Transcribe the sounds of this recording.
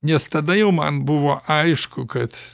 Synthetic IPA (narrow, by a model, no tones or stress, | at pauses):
nʲɛst̪ɐd̪ɐjɛʊmɐ̰nbuʋoʔaɪʃkʊkɐt̪